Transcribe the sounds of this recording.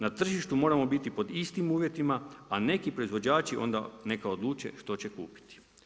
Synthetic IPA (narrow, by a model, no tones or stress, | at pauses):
nat̪r̩ʒiʃt̪umo̞ːɾamo̞bit̪ipo̞d̪ist̪imuːʋje̞t̪imaane̞kipɾo̞izʋo̞d͡ʑaːt͡ʃiʔo̞̰nd̪ane̞kaod̪lˠuːt͡ʃe̞̰ʃt̪o̞t͡ɕekuːpi̥t̪i̥